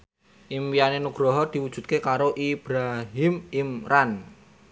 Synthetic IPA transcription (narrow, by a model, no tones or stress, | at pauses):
ʔimpianenuɡ̥ɾɔɦɔd̪̥i̤wudʒ̥ṳt̪̚kekaɾoʔib̥ɾaɦimimɾan